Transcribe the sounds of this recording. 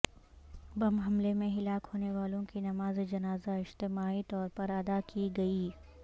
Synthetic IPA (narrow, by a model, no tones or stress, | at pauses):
bɐmɦɐmlemẽɦɪlaːkhoːneʋaːlõkinɐmaːzed͡ʒɐnaːzaɪd͡ʒt̪ɪmaːit̪ɔːɾpɐɾɐd̪akiɡɐiː